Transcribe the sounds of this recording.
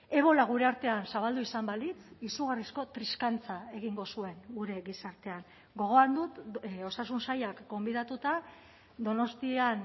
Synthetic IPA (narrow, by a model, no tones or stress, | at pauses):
e̞β̞o̞laɣ̞uɾe̞aɾt̪e̞ansaβald̪uisambalit͡sisuɣarisko̞t̪ɾiskant͡sae̞ɣ̞iŋɡo̞sue̞ŋɡuɾe̞ɣisaɾt̪e̞aŋ | ɡo̞ɣ̞o̞and̪ut̪o̞sasunsajakɡo̞mbiðat̪ut̪a | d̪o̞no̞st̪ian